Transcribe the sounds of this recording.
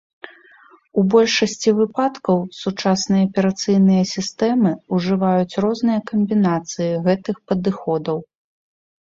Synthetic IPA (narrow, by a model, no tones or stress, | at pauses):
ubɔlʲʂɐsʲt͡sʲivɨpat̪kɐwsut͡ʂasnɨjɐɐpʲɛɾat̪sɨjn̪ɨjɐsʲist̪ɛmɨuʐɨvajut͡sʲrɔznɨjɐkɐmʲbʲinat̪sɨjiɣɛt̪ɨxpɐd̪ɨxɔd̪ɐw